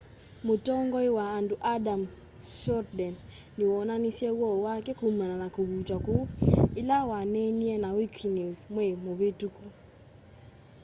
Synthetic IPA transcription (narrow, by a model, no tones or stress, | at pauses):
motɔŋɡɔiwaːnduʔadam | sɔɾdɛnː | iwɔnanisiɛwɔwakɛkumananakuβutwakuilawanɛniɛnawikʰnizmwɛmoβetuku